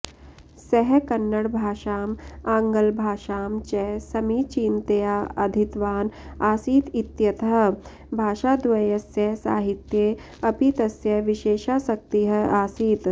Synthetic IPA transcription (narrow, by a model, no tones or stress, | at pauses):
sɛɦkɐnːəɽbʱaːʃaːmãːŋɡəlbʱaːʃaːmt͡ʃɛsɐmiːt͡ʃiːnt̪ejaɐd̪ʱit̪ʋaːnaːsiːt̪ɪt̪jɐt̪ɦɐ | bʱaːʃad̪ɐjɐsjɐsa̰ːɦɪt̪je | ɐpit̪ɐsjɐʋɪʃeːʃasɐk̚t̪iɦɐaːsiːt̪